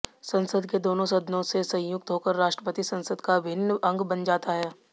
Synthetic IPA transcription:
sɐ̃nsəd̪ʱked̪oːnõsɐd̪nõsesɐ̃jʊk̚t̪ɦoːkəɾːaːʃʈɾəpət̪isɐ̃nsəd̪kabʱɪnːɐ̃ŋɡbɐnd͡ʒaːt̪aɦɛː

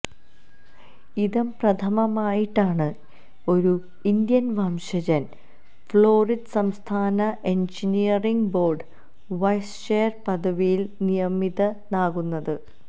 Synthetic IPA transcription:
iðɐmprɐt̪ʰɐmɐmaːjiʈːaːɳɨ | o̞ɾu | ind̪jɐnʋaːmɕɐd͡ʑɐn | fɭoːriɖsɐmst̪ʰaːnɐʔe̞ɲd͡ʑinijɐriŋɡbo̞ːrɖɨ | ʋɐjsʂeːɐrpɐd̪ɐʋijilnijɐmiðɐnaːɣunːɐðɨ

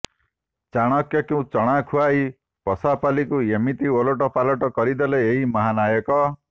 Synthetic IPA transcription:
t͡ʃaɽ̃ɔkjɔkew̃t͡ʃɔɽ̃akʰuai | pɔsapalikuemit̪ioloʈɔpalɔʈɔkɔɾid̪ɔleeɦimɔɦanajɔkɔ

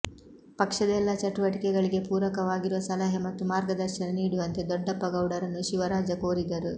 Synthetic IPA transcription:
pɐkʂɐd̪ɛlːɐt͡ʃɐʈuʋɐʈikɛɡɐɭiɡe̞puːɾɐkɐʋaːɡiɾuʋɐsɐlɐɦɐmɐt̪ːumaːɾɡɐd̪ɐɾʃɐnɐniːɽuʋɐnt̪e̞d̪ɔɖːɐpːɐɡɐwɽɐɾɐnːuʃiʋɐɾaːd͡ʒɐkoːɾid̪ɐɾu

